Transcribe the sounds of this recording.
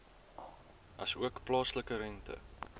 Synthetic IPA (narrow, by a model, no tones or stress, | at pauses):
ʔɐsuəkplɑːsləkəɾɛntʰə̰